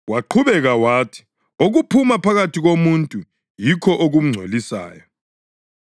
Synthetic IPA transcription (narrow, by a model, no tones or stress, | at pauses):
waǃʰuβɛɣawaːtʰi̥ | oɣupʰumapʰaɣatiɣomuntʼu | jikʰɔʔoɣum̩ŋ͡ǀʱḛlisa̰ːjɔ